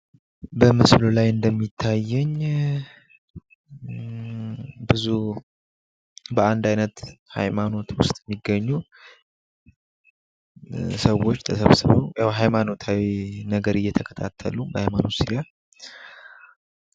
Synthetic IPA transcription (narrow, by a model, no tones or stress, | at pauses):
bəmɨslulajɨnd̪əmːit̪ʰːajːɛɲ | bɨzu | bəand̪ajnət̪ha̰jmano̞t̪wʊst̪ʼjɛmːiɡːəɲːu | səwːo̞t͡ʃːt̪ʰəsəβsɨβəwjawɦajmano̞t̪ʰawinəɡəɾɨjːɛt̪ʰəkʰə̥t̪ʰa̰t̪ʰːə̰lubəhajmanot̪sija